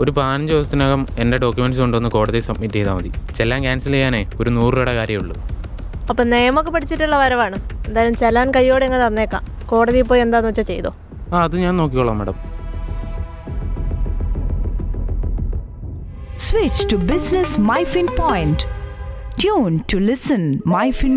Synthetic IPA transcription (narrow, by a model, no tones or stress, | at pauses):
o̞ɾupaːnɐɲd͡ʑoːst̪ːinoːɣɐme̞ndeɖo̞ːkjume̞nɖsoɳɖɨonːɨko̞ːɽɐðisɐb̚miʈːt͡ɕejt̪aːmɐðit͡ɕelːaːmkaːnsilejːaːne̞o̞ɾunuːriɾuɽekaːɾjɐmuɭːu | ɐpːoːne̞jɐmokːe̞pɐʈʰit͡ɕːiʈːuɭːɐʋɐɾɐʋaːɳɨend̪aːjɐɾumt͡ɕelaːnkɐjːo̞ːɽeŋːt̪ɐnːeekːa̰ː | ko̞ːɽɐðijp̬ːo̞ːje̞nd̪aːnot͡ɕːɐt͡ɕejt̪o̰ː | aːɐðɨɲaːnnoːk̬ːikːoɭːɐːmːɐɽɐm | swit͡ʃtubɪsnɐsmajfĩnpojɪnʈ | tʰjuːnʈʰulɪsɐnmajfin